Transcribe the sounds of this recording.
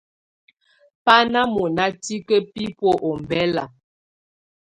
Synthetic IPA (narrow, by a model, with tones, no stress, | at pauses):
pa˦na˦mɔ˨na˦ti˦kə˦pi˦pɔ˦ʔɔ˨m˨bɛ˦la̰˨